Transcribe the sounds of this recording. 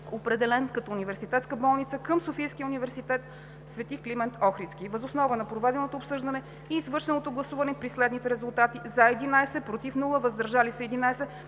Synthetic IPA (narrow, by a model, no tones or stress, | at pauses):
opɾɛd̪ɛlɛnkɐt̪ɔunivɛɾsit̪ɛt̪skəbɔlˠnit̪səkəmsofijskʲiəunivɛɾsit̪ɛt̪ | svɛt̪iklimɛnt̪ʰɔxɾit̪skivəzosnɔvənɐpɾovɛd̪ɛnot̪oːpsɤʒd̪ənɛ | iːzvɤɾʃɛnot̪oɡlˠɐsuvɐnɛpɾislɛd̪nit̪ɛɾɛzulˠt̪at̪izɐɛd̪inajsɛpɾot̪ifnulˠəvəzd̪əɾʒalisɛɛd̪inajsɛ